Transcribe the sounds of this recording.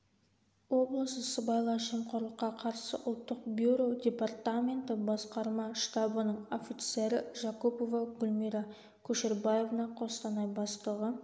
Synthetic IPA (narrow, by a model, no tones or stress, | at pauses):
wo̞blˠəsəsəbɑjlˠɑʃimqʰoɾlˠəqːɑqʰɑɾsə̰ʔʊlˠt̪ːəq̚bʲjuɾo̞dʲe̞part̪amʲe̞nt̪ɪbɑsqɑɾmɑʃt̪ɑbənəɴo̞fʲit̪se̞ɾɪʒakopo̞vɑɡʊlʲmiɾa | kʲʰɵʃeɾbaje̞vənɑqʰo̞st̪ɑnɑjbɑst̪əʁə